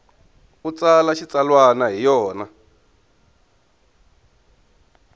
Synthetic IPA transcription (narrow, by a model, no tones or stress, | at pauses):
ut͡salaʃit͡salwanaɦijɔːna